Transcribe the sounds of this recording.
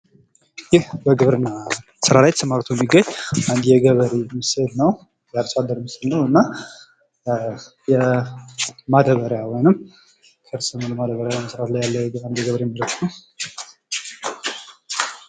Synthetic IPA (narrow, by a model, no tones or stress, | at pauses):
jɪhbəɡɨβɾɨnːa | sɨɾalajt̪sʰəmaɾt̪ʰujɛmːiɡəɲːand̪jɛɡəβəɾemɨsd̪nəw | jaɾsad̪ːəɾməsəlnːəwɨnːa | jɛ | mad̪əβəɾjawɔjnɨm | kʰɨɾsɨnoləmad̪əβəɾjawmsɨɾat̪lajːalːəɛɡəand̪jɛɡəβɾeɛmːələt̪nəw